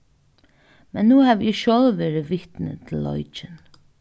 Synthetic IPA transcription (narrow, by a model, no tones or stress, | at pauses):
mɛnːuːhæːʋʔɪʃɔlʋeːɹɪʋɪt̪nə̰t̪ʰɪlːɔ̰jt͡ʃɪn